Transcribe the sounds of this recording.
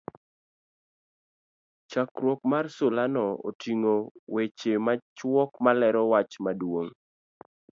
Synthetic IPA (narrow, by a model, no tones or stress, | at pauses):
t͡ʃakɾwɔkmarsolanɔo̰tʰiŋowet͡ʃemat͡ʃwɔkmalɛɾɔwat͡ʃmadwoŋ